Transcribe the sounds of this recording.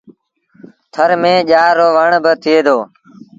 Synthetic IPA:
t̪ʰəɾmẽːʄaːɾoːʋəɳbət̪ʰɪeːd̪oː

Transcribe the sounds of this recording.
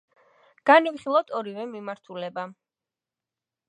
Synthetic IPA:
ɡ̥anivχilˠɔt̪ʰɔɾivɛmimaɾt̪ʰulɛba

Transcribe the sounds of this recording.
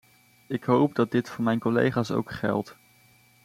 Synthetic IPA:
ɪkɦowp̚dɑd̚dɪtfʊːɹmɛjnkɔlḛjχaːso̰wkχɛ̰lˠt

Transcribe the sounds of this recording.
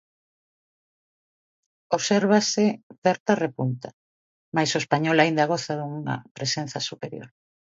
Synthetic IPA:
oβseɾβasɪθeɾt̪arepunt̪a | majsoespaɲolaind̪aɣ̞oθaðuŋŋɐ̰pɾesen̟θɐsupeɾjo̰ɾ

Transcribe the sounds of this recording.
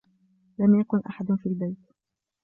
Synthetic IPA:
lamjakʊnʔa̰ħad̪fiːlbajt̪

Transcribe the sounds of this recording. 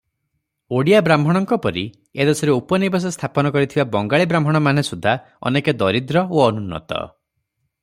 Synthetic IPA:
oɽijabɾambʱɔɽ̃ɔŋkɔpɔɾi | ed̪esɔɾeupɔnibas̬ɔst̪ʰapɔnɔkɔɾit̪ʰibabɔŋɡaɭibɾambʱɔɽ̃ɔman̤esud̪ʱːa | ɔ̰neked̪ɔɾid̪ɾɔoɔnunːɔ̰t̪ɔ̰

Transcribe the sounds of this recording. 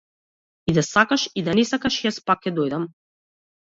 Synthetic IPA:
id̪asakaʃid̪anɛsakaʃjaspakʲːɛd̪ɔjd̪am

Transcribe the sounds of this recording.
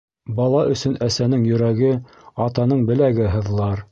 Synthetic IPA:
bɑlˠɑʔɵ̆sɵnæsænɘŋjɵ̆ɾæɡɘ | ɑt̪ɑnɤɴbɘ̆læɡɘɦɤ̆ðlˠɑɾ

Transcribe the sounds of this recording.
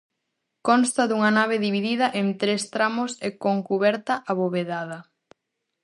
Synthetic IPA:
kɔnst̪ɐðuŋɐnaβ̞eðiβiðið̞ɐʔent̪ɾest̪ɾamʊsekoŋkuβɛɾt̪ɐʔaβoβeðaðɐ

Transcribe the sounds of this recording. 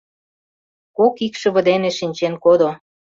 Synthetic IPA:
kokikʃə̆βə̆d̪eneʃinʲt͡ɕenkod̪o

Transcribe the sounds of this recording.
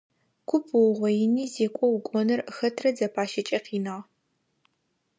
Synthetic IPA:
kʷʰʊpʰwʁʷɔjɪniːzeːkʷʼɔwʊkʷʼɔnɐrxɐtʰrɐd͡zɐpʰaːʃɐt͡ʃʼɐqʰiːnaːʁ

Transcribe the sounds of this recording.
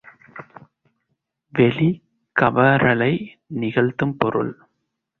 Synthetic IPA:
ʋɛli | kɐʋɐɾɐɭɐɪ | nɪɣɐɭt̪ːɯmpɔɾɯ̰ɭ

